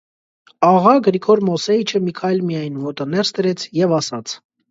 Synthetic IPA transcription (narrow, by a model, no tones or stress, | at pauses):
ɑʁɑɡəɾikʰɔɾmɔsɛit͡ʃʰəmikʰɑjlmijɑjnvɔɾt̪ənɛɾst̪əɾɛt͡sʰjɛvɑsɑt͡sʰ